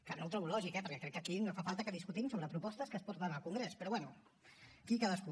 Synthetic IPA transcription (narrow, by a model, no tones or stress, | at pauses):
klanowt̪ɾəwlɔʒikɛpəɾkɛkɾɛkːəkinofafalˠt̪əkəðiskut̪imsoβɾəpɾupɔst̪əskəːspɔɾt̪ənəlˠkuŋɡɾespəɾɔβwɛnu | kikaðəsku